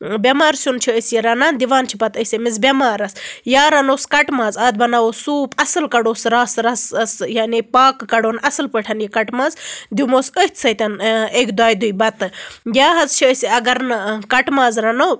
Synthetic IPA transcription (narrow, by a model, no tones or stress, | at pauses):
bʲɐmaːɾsʲunt͡ʃʰiəsjiɾɐnaːnd̪iʋaːnt͡ʃʰipɐt̪əsʲɐmizbʲɐmaːɾɐsjaːɾɐnoːskɐʈmaːzaːd̪̚bɐnaːosuːpɐsɨlkɐɽoːsɾaːsɾɐssjanipaːkːɐɽoːnɐsɨlpəʈʰɐnjikɐʈmaːzd̪imoːsəht̪ʲʰsɐt̪ɐneːkd̪aːjd̪ujbɐt̪ɨjaːɦɐzt͡ʃʰiəsiɐɡɐɾnɨkɐʈmaːzɾɐnoː